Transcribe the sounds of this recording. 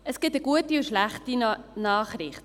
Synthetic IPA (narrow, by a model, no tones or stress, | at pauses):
əsɡ̥ɪtəɡ̥uətiʊʃlæχtinɑːχɾɪχt